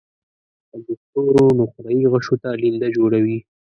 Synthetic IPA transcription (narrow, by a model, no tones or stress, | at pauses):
ad̪ʊxt̪oɾonʊxɾaiɣəʂot̪alind̪ad͡ʒoɽawi